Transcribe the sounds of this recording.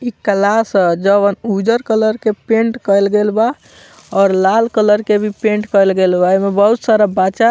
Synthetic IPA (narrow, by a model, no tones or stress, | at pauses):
ikəlasd͡ʒəβənud͡ʒəɾkələɾkepẽɳʈkəjlɡelba | ɔːɾlalkələɾkebʱipẽɳʈkəjlɡelbaemebəɦut̪saɾabat͡ʃa